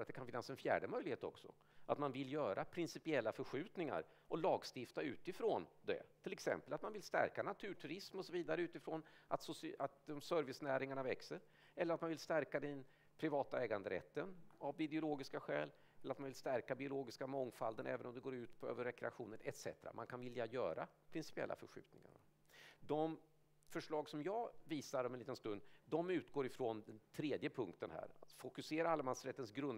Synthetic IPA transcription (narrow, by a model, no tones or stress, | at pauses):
ɾat̪̚d̪ɛkanfɪnːasɛnfjæ̰ːɖəmœjlɪheːt̪ɔ̰ksɔ̰ | ʔat̪manvɪljœːɾʔapʰɾɪnsɪpɪɛlːafœɾɧʉ̟ːt̪nɪŋa̰ɾ | ɔlɑːɡst̪ɪft̪aʉ̟̰ːt̪ɪfɾond̪ɛ̰t̪ʰɪlɛksɛ̰mpəlat̪manvɪlst̪æ̰ɾkanat̪ʰʉ̟ːʈʰʉɾɪsmɔsɔviːd̪aɾəʉːt̪ɪfɾoːnat̪sʊsat̪d̪ɔmsœɾvɪsnæːɾɪŋaɳavɛksəɾ | ɛlːəɾat̪manvɪlst̪æɾkad̪ɛn | pʰɾɪvɑːt̪aɛːɡand̪əɾɛ̰t̪ːənavɪd̪ɛʊloːɡɪskaɧɛ̰ːl | ɛlːɾat̪manvɪlst̪æɾkabɪʊloːɡɪskamɔŋːfald̪ənʔɛ̰ːvənɔmd̪ɛɡoːɾʉ̟ːt̪pʰɔø̰ːvəɾːɛkɾɛaɧuːnənɛt̪sɛ̰t̪əɾa̰mankʰanvɪljajœ̰ːɾa̰pʰɾɪnsɪ̥pɪɛ̰lːa̰fœɾɧʉ̟ːt̪̚nɪŋa̰ɳa | d̪ɔm | fœʂɭɑːɡsɔmjɑːviːsaɾɔmɛnliːt̪ənst̪ɵnd̪d̪ɔmʉ̟ːt̪ɡoːɾɪfɾond̪ɛnt̪ʰɾeːd̪jəpʰɵŋkt̪ənhæ̰ːɾat̪fʊkɵseːɾaalːamansɾɛt̪ːənsɡɾɵn